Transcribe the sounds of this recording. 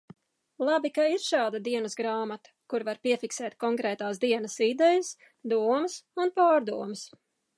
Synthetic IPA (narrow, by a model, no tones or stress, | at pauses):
lˠabikaiɾʃɑːd̪ad̪iɛnəsɡɾaːmat̪ɐ̥kuɾvaɾpiɛfiksɛːt̪̚kɔŋkɾɛːt̪aːsd̪iɛnəsid̪ɛjɐs | d̪uɔmɨsunpaːɾd̪uɔmɨs